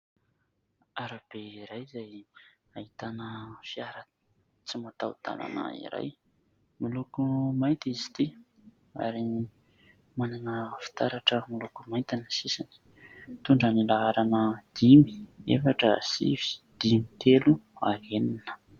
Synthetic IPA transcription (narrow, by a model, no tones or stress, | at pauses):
aɾab̥eiɾajzaj | aɦit̪anəfiaɾa | t͡simat̪awd̪̥a̰la̰nə̰ḭɾa̰j | milukumajt̪izi̥t̪i | a̰ɾi | mananəfi̥t̪aɾaʈ͡ʂəmilukumaj̪t̪anasisani̥ | t̪uɳɖ͡ʐanilaaɾanəd̪̥imi̥ḛfaʈ͡ʂə̰sḭvi̥d̪̥imit̪eluaɦeninə̥